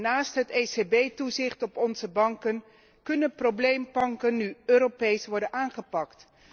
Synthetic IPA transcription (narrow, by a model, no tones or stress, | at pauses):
naːstɦətesebejtuzɪχtɔpɔnzəbɑŋkən | kɵnənproblejmpɑŋkənːyøːɾopejsʋɔɹdənʔaːnχəpɑkt